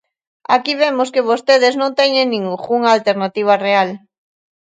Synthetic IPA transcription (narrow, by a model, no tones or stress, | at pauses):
akiβemoskɪβost̪eðɪznõnt̪ɛɲẽŋnĩŋɣuŋalt̪eɾnat̪iβ̞ɐreal